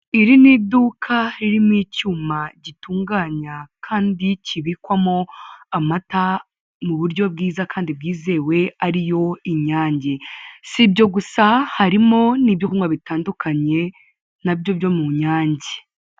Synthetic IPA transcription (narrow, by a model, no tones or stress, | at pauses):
iɾiniduːkʰaɾiɾimicumaɟituːŋɡaːɲakʰaːndiciβiːkwamoamata | muβuɾɟo̞b̚ɡiːzakaːndib̚ɡiːze̞ːwe̞aɾijo̞iɲaːɲɟesibjo̞ɡusahaɾimo̞niːbjokuŋɡwaβitaːndukʰaɲe̞ | nabjo̞bjo̞muɲaːɲɟe